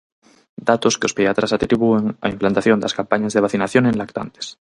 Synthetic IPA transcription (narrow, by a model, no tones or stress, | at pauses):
d̪at̪oskeospeat̪ɾasat̪ɾiβ̞ueŋa̰implant̪aθjo̞nd̪askampaɲazðeβaθinaθjonenlakt̪a̰nt̪e̥s